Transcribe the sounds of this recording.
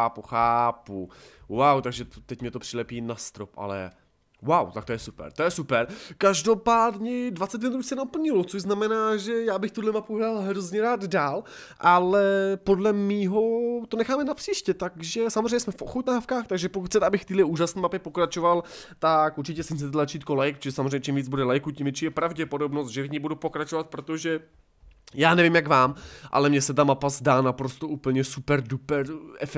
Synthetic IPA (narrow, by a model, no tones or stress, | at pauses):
puxaːpuwawt̪aɡʒɛt̪ɛcmɲɛt̪o̞pr̥ɪlɛpiːnast̪ɾo̰pʔa̰lɛ̰ | wawt̪akt̪ojɛsupɛ̰ɾt̪ojɛsupɛɾkaʒdo̞paːdɲɛdvat͡sɛt̪̬vɛnɾuːsɛnapl̩ɲɪlot͡soʒznamɛnaːʒɛjaːbɪxt̪udlɛmapuɦɾalɦɾozɲɛɾaːd̪daːl | ʔalɛpo̞dlɛmiːɦo̞t̪onɛxaːmɛnapr̥iːʃcɛt̪aɡʒɛsamozreɛɲɛsmɛfʔo̰xot̪naːfkaːxt̪aɡʒɛpokuxt͡sɛt̪ɛabɪxft̪iːdlɛʔuːʒasniːmapɪpokɾat͡ʃovalt̪akʔuɾt͡ʃɪcɛsɛt͡sɛt̪lat͡ʃiːt̪̚kolajk̚t͡ʃɛʒɛsamozreɛjɲɛt͡ʃimviːd͡zbudɛlajkucimvjɛt͡ʃiːjɛpɾavɟɛpodo̞bnost̪ʒɛvɪɲibudupokɾat͡ʃovat̪̚pɾot̪oʒɛ | jaːnɛvimjaɡvaːmʔa̰lɛmɲɛsɛt̪amapazdaːnapɾo̞st̪oʔuːpl̩ɲɛsupɛɾdupɛɾɛfɛ